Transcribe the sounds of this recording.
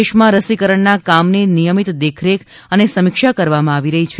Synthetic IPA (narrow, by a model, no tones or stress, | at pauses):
eʃmãɾəsikəɾəɳnakamninijəmit̪d̪ekʰɾekənesəmikʃakəɾʋamãaʋiɾəɦit͡ʃʰ